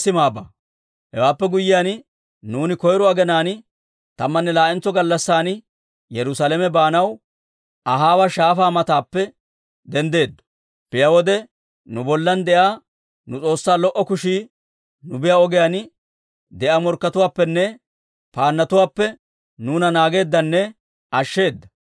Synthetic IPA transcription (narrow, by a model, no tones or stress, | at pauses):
sɪmaːbɐ | hɛ̰waːpːɛɡʊjːɪjaːn | nuːnɪkɔjɾʊaːɡɛnaːnɪ | t̪ɐmːɐnːɛlaːʔɛnt͡sːɔɡɐlːɐsːaːn | jɛɾʊsalɛmɛbaːnɐw | ʔɐɦaːwɐʃaːfaːmɐt̪aːpːɛ | d̪ɛnd̪e̞ːd̪ːɔ̥ | pɪjɐwɔd̪ɛ | nʊbɔlːɐnd̪ɛʔaː | nʊt͡sʼo̞ːsːaːlɔʔɔkʊʃiː | nʊbɪjaɔɡɛjan | d̪ɛʔamɔɾkːɐt̪ʊwaːpːɛnːɛ | paːnːɐt̪ʊwaːpːɛ | nuːnɐnaːɡe̞ːd̪ːɐnːɛ | ɐʃːe̞ːd̪ːɐ